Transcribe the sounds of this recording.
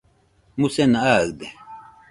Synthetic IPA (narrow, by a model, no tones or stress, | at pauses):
musɛnaaɣd̪ɛ